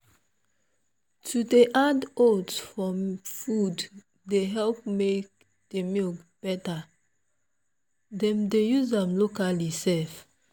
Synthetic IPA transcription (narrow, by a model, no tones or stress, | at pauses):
tʰudeʔadodsfɹɔ̃mfudː | eɦɛlp̚mek̚ | d̥emilɡb̥ɛta | dɛ̃mdejuzãmlokalisɛf